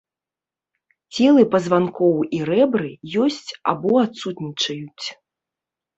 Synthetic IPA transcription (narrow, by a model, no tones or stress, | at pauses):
t͡sʲɛlˠɨpɐzvankɔwirɛbɾɨjɔsʲt͡sʲa̰bɔat̪sut̪nʲit͡ʂɐjut͡sʲ